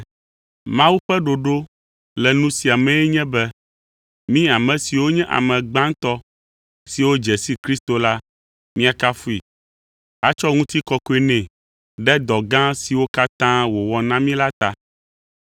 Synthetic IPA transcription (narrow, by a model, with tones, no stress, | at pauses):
mã˦wu˦ɸɛ˦ɖo˨ɖo˦ | lɛ˨nũ˦si˨a˨mɛ̃˦ɛ˦ɲɛ̃˦bɛ˦ | mĩ˦a˨mɛ̃˨si˨wo˦ɲɛ̃˦ʔa̰˨mɛ̃˨ɡ͡bã˦ŋ˦t̪ɔ˦ | si˨wo˦d͡ʒɛ˨si˦kɾi˦st̪o˨la˦ | mĩ˦a˨ka˦fu˦i˨ | a˦t͡ʃɔ˦ŋũ˦t̪i˦kɔ˦ko˦e˦nɛ̃˨ | ɖɛ˦d̪ɔ˨ɡã˦si˨wo˦ka˦t̪ã˦wo˨wɔ˨nã˦mĩ˦la˦t̪a˦